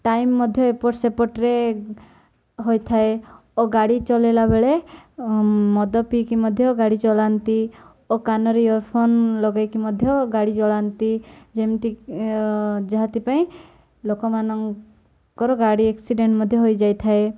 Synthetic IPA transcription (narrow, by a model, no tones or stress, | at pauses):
ʈajmːɔd̪ʱjɔepɔʈsepɔʈɾe | ɦojt̪ʰae | oɡaɽit͡ʃɔlelabeɭe | mɔd̪ɔpikimɔd̪ʱjɔɡaɽit͡ʃɔlant̪i | okanɔɾejɔɾpʰɔnlɔɡajkimɔd̪ʱjɔɡaɽit͡ʃɔɭant̪id͡ʒemʈi | d͡ʒeɦat̪ipaĩ | lokɔmanɔŋ | kɔɾɔɡaɽieksiɖeɳʈmɔd̪ʱjɔɦojd͡ʒajt̪ʰae